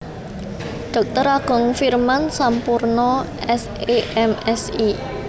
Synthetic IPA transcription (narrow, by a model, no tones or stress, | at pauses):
ɖ̪̥ɔ̤k̚t̪əɾaɡ̥ɔ̤ŋfirmansampurnɔ | ɛs | eʔɛmɛsi